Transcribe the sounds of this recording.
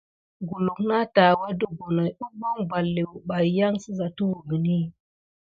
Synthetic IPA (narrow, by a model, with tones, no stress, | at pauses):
ɡu˨lu˨kna˦ta˨wa˦də˨ɡo˨na˨jɗu˦bo˦ŋba˨lːe˨wu˨ɓa˨jjːa˦ŋsə˦za˨tu˦wu˨ɡi˨ni˦